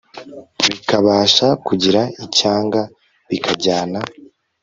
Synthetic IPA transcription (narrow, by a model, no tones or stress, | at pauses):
βikaβaːʃakuɟiɾaicaːŋɡa | βikʰaɟaːna